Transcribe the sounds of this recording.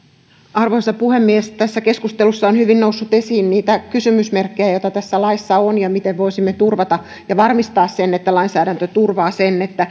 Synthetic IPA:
ɑrʋoisɑppuhemːiest̪æsːækeskust̪elusːɑonhyʋinnousːut̪esiːnniːt̪ækysymysmerkːejæjot̪ɑt̪æsːælɑisːɑonjɑmit̪eʋʋoisimːet̪urʋɑt̪ɑ | jɑʋɑrmist̪ɑːssenːet̪ːælɑinsæːɾænt̪øt̪urʋɑːsenːet̪ːæ

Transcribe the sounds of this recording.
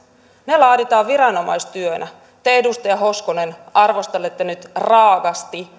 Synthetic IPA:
nelɑːdit̪ɑːʋʋiɾɑno̞mɑ̰jst̪yønʔæ | t̪eedust̪ɑjɑɦo̞skonenɑrʋo̞st̪elːet̪ːenyt̪rɑːɡɑst̪i

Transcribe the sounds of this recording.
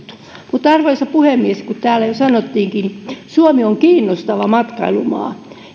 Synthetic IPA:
t̪u̥ | mut̪ːɑrʋoisɑpuhemmieskut̪t̪æːlæjosɑnot̪ːiːŋkinisuomioŋkiːnːost̪ɑʋɑmɑt̪kɑilumɑ̰ː

